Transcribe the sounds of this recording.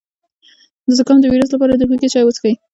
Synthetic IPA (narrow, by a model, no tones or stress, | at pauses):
d̪əzakɑmd̪əwiɾus̬lapɑɾad̪əxiket͡ʃɑjwət͡sə̥xai